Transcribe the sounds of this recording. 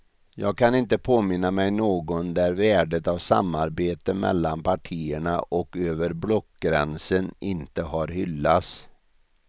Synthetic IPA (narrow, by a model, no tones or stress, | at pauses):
jɑːɡ̚kʰanɪnt̪əpʰoːmɪnːamɛjnoːɡɔnd̪æɾvæːɖət̪avsa̰mːaɾbeːt̪əmɛ̰lːanpʰaʈʰiːəɳa̰ʔɔkøːvəɾblɔkɡɾɛ̰nsənɪnt̪əɦaɾhʏlːat̪s